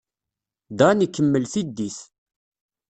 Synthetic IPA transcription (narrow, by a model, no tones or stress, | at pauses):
d̪ænikːəmːəlθid̪ːiθ